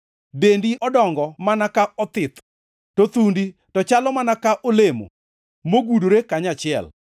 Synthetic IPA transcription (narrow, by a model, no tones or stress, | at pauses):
bendiʔɔdɔŋɡɔmanakaɔt̪ɪt̪ | tot̪undi | tɔt͡ʃalɔmanakaʔolemo̰ | moɡudoɾekaɲat͡ʃɪɛ̰l